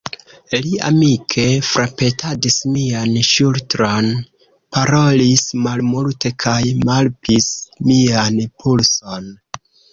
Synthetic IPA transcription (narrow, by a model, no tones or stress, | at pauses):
lia̰mikʰe̞fɾʔape̞tʰadismianʃultɾo̞n | paɾo̞lismalmulte̞kʰajmalpʰismianpʰulso̞n